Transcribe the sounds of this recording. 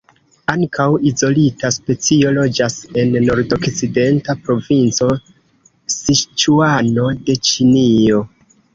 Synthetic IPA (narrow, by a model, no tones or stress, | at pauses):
aŋkʰawizo̞litaspe̞t͡sio̞lo̞d͡ʒase̞nːo̞ɾdo̞kt͡side̞ntapɾo̞vint͡so̞ | sit͡ʃuano̞de̞t͡ʃinio̞